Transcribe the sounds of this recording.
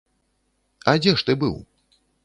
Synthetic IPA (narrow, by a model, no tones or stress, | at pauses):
ɐd͡zʲɛʂt̪ɨbɨ̰w